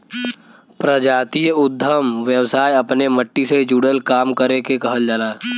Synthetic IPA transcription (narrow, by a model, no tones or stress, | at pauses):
pɾəd͡ʒaːt̪ijəʊd̪ʱːəmʋjəwsaːjɐpneməʈːised͡ʒuɽəlkaːmkəɾekekɐɦəld͡ʒaːlaː